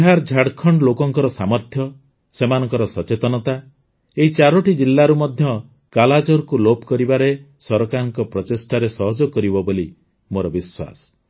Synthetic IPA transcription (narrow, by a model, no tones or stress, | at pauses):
ɦaɾd͡ʒʱaɽkʰɔɳɖlokɔŋkɔɾɔsamɔɾt̪ʰjɔ | semanɔŋkɔɾɔsɔt͡ʃet̪ɔnɔt̪a | eɦit͡ʃaɾɔʈid͡ʒilːaɾumɔd̪ʱjɔ | kalad͡ʒɔɾkulopɔkɔɾibaɾe | sɔɾɔkaɾɔŋkɔpɾɔtesʈʰaɾesɔɦɔd͡ʒɔkɔɾibɔboli | moɾɔbiswa̰sɔ̥